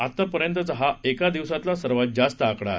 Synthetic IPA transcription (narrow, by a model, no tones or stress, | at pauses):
at̪ːapəɾjənt̪ət͡səɦaekad̪iʋsat̪lasəɾʋat̪̚d͡ʑast̪əakɽa̰